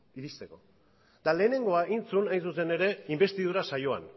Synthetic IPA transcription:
iɾist̪e̞ko̞̰ | d̪ale̞ːne̞ŋɡo̞aʔint͡sunajnsus̬e̞ne̞ɾe̞imbe̞st̪ið̞uɾasajo̞a̰n

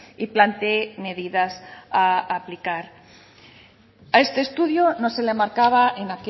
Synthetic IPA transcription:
iplant̪eme̞ðiðasaːplikaɾ | ae̞st̪e̞ːst̪uðjono̞se̞lemaɾkaβ̞aenake

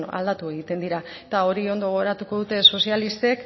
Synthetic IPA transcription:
a̰ld̪at̪ue̞ɣ̞it̪e̞nd̪iɾa | et̪ao̞ɾio̞nd̪o̞ɣ̞ɾat̪uko̞ðut̪e̞so̞sialist̪e̞k

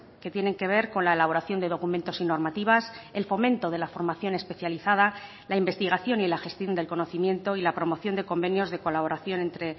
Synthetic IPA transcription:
ke̞t̪je̞ne̞ŋke̞β̞e̞ɾko̞nlae̞laβo̞ɾaθjo̞nd̪e̞ðo̞kument̪o̞sino̞ɾmat̪iβ̞ase̞lfo̞mẽ̞nt̪o̞ð̞e̞lafo̞ɾmaθjo̞ne̞spe̞θjaliθað̞a | laimbe̞st̪iɣ̞aθjo̞nilaxe̞st̪jo̞nd̪e̞lko̞no̞θimjẽ̞nt̪o̞ilapɾo̞mo̞θjo̞nd̪eko̞mbe̞njo̞zðe̞ko̞laβ̞o̞ɾaθjo̞ne̞nt̪ɾe̞

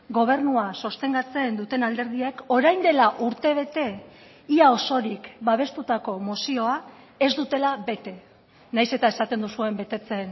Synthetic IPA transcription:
ɡo̞β̞e̞rnuaso̞st̪e̞ŋɡat͡se̞nd̪ut̪e̞nald̪e̞ɾðie̞ko̞ɾajnd̪e̞laʔuɾt̪e̞β̞e̞t̪e̞ | iao̞so̞ɾikbaβ̞e̞st̪ut̪ako̞mosio̞a | e̞zd̪ut̪e̞laβe̞t̪e̞ | najse̞t̪aesat̪e̞nd̪usue̞mbe̞t̪e̞t͡se̞n

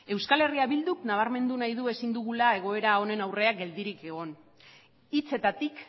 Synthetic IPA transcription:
e̞wskale̞riaβild̪uknaβ̞aɾme̞nd̪unajðue̞sind̪uɣulae̞ɣ̞o̞eɾao̞ne̞nawre̞ak̚ɡe̞ld̪iɾike̞ɣ̞o̞n | it͡se̞t̪at̪ik

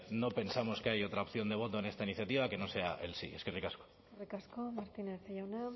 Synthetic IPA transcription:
no̞pe̞nsamo̞skeajo̞t̪ɾaop̚θjo̞nd̪e̞β̞o̞t̪oene̞st̪ainiθjat̪iβ̞ake̞no̞se̞aʔe̞̰lsḭe̞̰skerikasko̥ | rikaskomaɾt̪ineθejawna

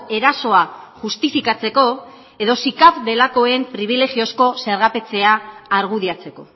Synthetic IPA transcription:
e̞ɾaso̞aʝust̪ifikat͡se̞ko̞ | e̞ðo̞sikapd̪e̞lako̞e̞mpɾiβ̞ile̞ɣio̞sko̞se̞ɾɣape̞t͡se̞aːɾɣ̞uðiat͡se̞ko̞̰

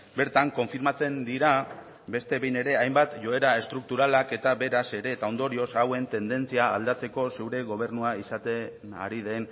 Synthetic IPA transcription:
be̞ɾt̪aŋko̞ɱfiɾmat͡se̞nd̪iɾa | be̞st̪e̞βe̞jne̞ɾe̞ajmbat̪ʝo̞e̞ɾae̞st̪ɾuk̚t̪uɾalake̞t̪abe̞ɾase̞ɾe̞ːt̪ao̞nd̪o̞ɾio̞sawe̞nt̪e̞nd̪e̞nt͡siaːld̪at͡se̞ko̞sewɾe̞ɣ̞o̞β̞e̞ɾnuaisat̪ena̰ɾið̞e̞n

